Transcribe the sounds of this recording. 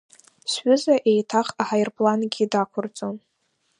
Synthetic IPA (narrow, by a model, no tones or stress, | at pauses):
sħʊzaʔejtʰaχaħajrpʼlanɡʲidakʷʰʊrt͡sʼon